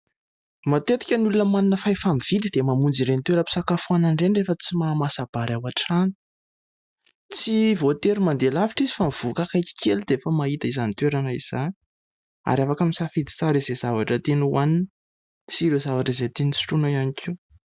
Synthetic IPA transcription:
mat̪et̪i̥kʲənulunəmaninəfajfamiv̥id̪id̪emamund͡ziɾenit̪weɾəpi̥sakafuananɖ͡ʐenrefət͡simamasab̥aɾawaʈ͡ʂani̥ | t͡sivot̪eɾumand̪elaviʈ͡ʂizifamiv̥ukakajkʲi̥kʲelud̪̥eefəmait̪əizanit̪weɾanəiz̥ani | a̰ɾafakamisafid̪i̥t͡saɾizezavaʈ͡ʂət̪enuwanin | t͡siɾezavaʈ͡ʂizet̪enisi̥ʈ͡ʂunaianikʰiw

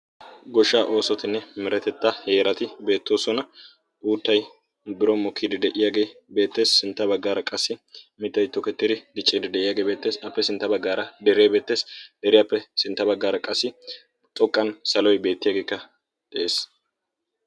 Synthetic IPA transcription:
ɡɔʃːaːʔo̞ːsɔt̪ɪnːɛmɪɾɛt̪ɛt̪ːahe̞ːɾɐt̪ɪbe̞ːt̪ːo̞ːsɔnɐ | ʔuːt̪ːɐj | bɪɾɔmɔkʰːid̪ɪd̪ɛʔɪjaːɡe̞ːbe̞ːt̪ːe̞ːsːɪnt̪ːɐbɐɡːaːɾɐkʼɐsːɪmɪt̪ːɐjt̪ːɔkɛt̪ːɪd̪ɪd̪ɪt͡ʃʼːiːd̪ɪd̪ɛʔɪjaːɡe̞ːbe̞ːt̪ːe̞ːsɐpːɛsɪnt̪ːɐbɐɡːaːɾɐd̪ɛɾeːbe̞ːt̪ːe̞ːsd̪ɛɾɪjɐpːɛsɪnt̪ːɐbɐɡːaːɾɐkʼɐsːɪ | t̪ʼɔkʼːɐnsɐlɔjbe̞ːt̪ːɪjaːɡe̞ːkːɐ | d̪̥ɛʔe̞ːs

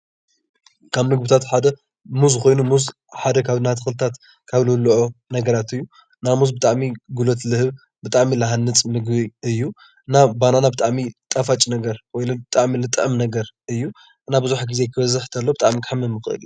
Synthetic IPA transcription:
kʰaβnɨɡbɨt̪ʰat̪ħad̪ɐ | muzko̞jnumuz | ħad̪ɐkʰaβɨnat̪ʰɨxɨlɨt̪ʰat̪ | kʰaβlɨluʔonɐɡɐɾat̪ɨjːu | namuzbɨt̪ʼaʕmiɡulot̪lɨhɨβ | bɨt̪ʼaʕmilɐɦanːɨt͡sʼnɨɡbiɨjːu | ɨnabananabɨt̪ʼaʕmit̪ʼafat͡ʃʼnɐɡɐɾwɔjlɐbɨt̪ʼaʕmilɨt̪ʼʕɨmnɐɡɐɾɨjːu | ʔɨnabɨzuħɡizekʰɨβɐzɨħt̪ʰɐlːo̞bɨt̪ʼa̰ʕmikʰħamɨmːɨxɨʔɨ̰lj

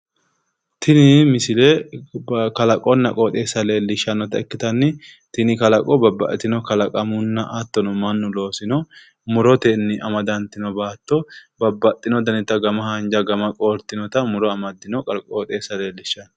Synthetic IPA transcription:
t̪ʰɪnɪmɪsɪle | kɐlɐkʼɔnːɐkʼoːt̪ʼe̞ːsːɐle̞ːlːɪʃːɐnːɔt̪ɐɛkːɪt̪ɐnːɪ | t̪ɪnɪkɐlɐkʼɔbɐbːɐʔɛt̪ɪnɔkɐlɐkʼɐmʊnːɐʔɐt̪ːɔnɔmɐnːʊlo̞ːsɪnɔ | mʊɾɔt̪ɛnːɪʔɐmɐd̪ɐnt̪ɪnɔbaːt̪ːɔbɐbːɐt̪ʼːɪnɔd̪ɐnɪt̪ːɐɡɐmɐhɐnd͡ʒɐɡɐmɐkʼoːɾt̪ɪnɔt̪ɐmʊɾɔɐmɐd̪ːɪnɔkʼɐkʼoːt̪ʼeːsːɐle̞ːlːɪʃːɐnɔ

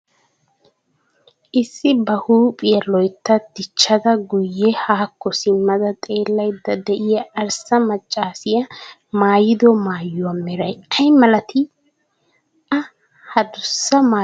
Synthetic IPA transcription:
ʔɪsːɪbɐhuːpʼɪjɐlɔjt̪ːɐd̪̥ɪt͡ʃːɐd̪ɐɡʊjːɛhaːkːɔsɪmːɐd̪ɐt̪ʼe̞ːlːɐjd̪ːɐd̪ɛʔɪjɐːɾsɐmɐt͡ʃʼːaːsɪjɐ | maːjɪd̪ɔmaːjːʊwɐmɛɾɐjɐjmɐlɐt̪ʰɪ | ɐ | hɐd̪ʊsːɐmaː

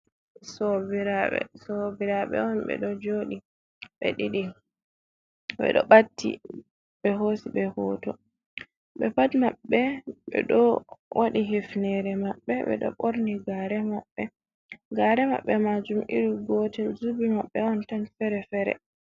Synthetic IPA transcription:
sobiɾaɓɛ̰sobiɾaɓɛ̰ɔnɓɛ̰ɗɔd͡ʒoːɗi | ɓɛ̰ɗiɗi | bɛ̰ɗɔ̰ɓatːḭ | ɓɛɦosiɓɛhɔːtɔ | ɓɛpatmaɓːɛɓɛ̰ɗɔwʔaɗiɦifnɛɾɛmaɓːɛɓɛ̰ɗɔ̰ɓoɾniɡaɾɛmaɓːɛ | ɡaɾɛma̰ɓːɛmad͡ʒumʔḭɾiɡɔːtɛlzubimaɓːɛɔntanfɛɾɛfɛɾɛ̰

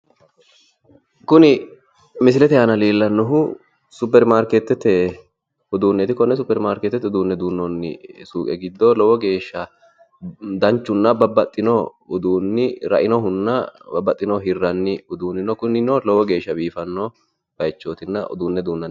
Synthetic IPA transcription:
kʊnɪ | mɪs̬ɪlɛt̪ɛjaːnɐliːlːɐnːɔɦʊ | sʊpːɛɾmaːɾkɛt̪ːɛt̪ɛ | ʊd̪uːnːɛt̪ɪkɔnːɛs̬ʊpːɛɾmaːɾkɛt̪ːɛt̪ːʊd̪uːnːɛd̪uːnːɔnːɪ̰suːkʼɛɡɪd̪ːɔlɔwɔɡe̞ːʃːɐ | d̪ɐnt͡ʃːʊnːɐbɐbːɐt̪ʼːɪnɔʊd̪uːnːɪɾɐ̰ʔɪnɔɦʊnːɐbɐbːɐt̪ʼːɪnɔɦɪrːɐnːɪʊd̪uːnːɪnɔkʊnɪnɔlɔwɔɡe̞ːʃːɐbiːfɐnːɔ | b̥ɐjt͡ʃːoːt̪ɪnːɐʔɔ̰d̪uːnːɛd̪uːnːɐ

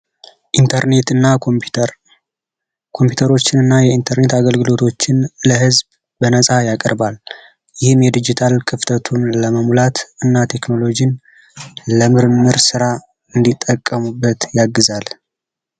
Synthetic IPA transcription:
ʔint̪ʰəɾne̞t̪ɨnːa | kʰo̞mpjut̪ʰəɾo̞t͡ʃːɪnɨnːajɛint̪ʰəɾne̞t̪aɡəlɡɨlo̞t̪ʰo̞t͡ʃːɪnləɦɨzb | bənəsʼajakʼəɾbal | jɪhɨmjɛd̪ɨd͡ʒit̪ʰalkʰɨft̪ʰət̪ʰunləməmlat̪ɨnːat̪ʰe̞kno̞lo̞d͡ʒin | ləmɨɾɨmːɨɾsɨɾa | ɨnd̪it̪ʼːəkʼːəmubːət̪jaɡːɨzal

